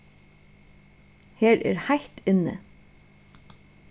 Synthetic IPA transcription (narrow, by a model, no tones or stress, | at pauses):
heːɾɛ̰ɾhajht̪ɪnːə̰